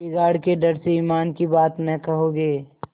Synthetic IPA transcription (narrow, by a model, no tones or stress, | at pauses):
iɡaːɽkeɖɐɾseiːmaːnkibaːt̪nɐkɐɦoɡeː